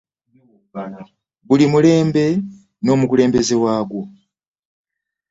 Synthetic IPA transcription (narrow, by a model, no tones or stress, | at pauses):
βulimule̞ːmbe̞ | no̞ːmukule̞ːmbe̞zewaːɡwo